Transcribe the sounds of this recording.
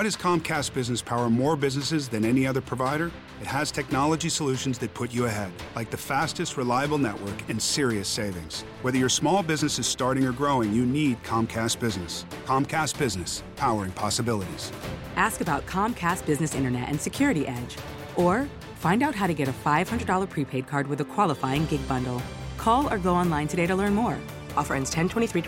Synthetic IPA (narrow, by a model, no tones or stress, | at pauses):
wʌɾɨz̥kʰɑ̃mkʰæst̚b̥ɪznɨspʰaʊə˞mɔɹbɪznɨsɨzðɨ̃nɛniʌðə˞pʰɹ̥ɨvaɪɾə˞ | ɨt̚hɨz̥tʰɛk̚nɑlˠəd͡ʒisəlʉʃɨ̃n̩zðɨt̚pʰʊt͡ʃɨɨɦɛd̥laɪk̚ðɨfæstɨst̚ɹɨlaɪɨbl̩ˠnɛ̰ʔwə˞kɨ̃nsɪɹiɨseɪvɪ̃ŋz̥ | wɛðə˞jə˞smɔlˠbɪznɨsɨz̥stɑɹɾɪ̃ŋə˞ɡɹoʊɪ̃ŋjɨnid̚kʰɑ̃mkʰæs̚b̥ɪznɨs | kʰɑ̃mkʰæst̚b̥ɪznɨspʰaʊə˞ɪ̃ŋpʰɑsəbɪlˠəɾḭz̥ʔæskɨbaʊt̚kʰɑ̃mkʰæst̚b̥ɪznɨsɪ̰̃ɾ̃ə˞nɛ̰ɾʔɨ̰̃nsɨkʰj̥ʊɹɨɾiʔɛd͡ʒ | ə˞ | fãɪ̃ndaʊt̚ɦaʊɾɨɡɛɾɨfaɪv̥hʌ̃ndɹədɔlˠə˞pʰɹ̥ipʰeɪd̚kʰɑɹd̚wɨðəkʰw̥ɑlˠəfaɪɪ̃ŋɡɪɡ̚bʌ̃ndˡl̩ˠkʰɔlˠə˞ɡoʊɑ̃nlãɪ̃ntʰɨɾeɪɾəlɜ̃˞nmɔɹ | ʔɔfə˞ɛ̃nz̥tʰɛ̃ntʰw̥ɛ̃iθɹi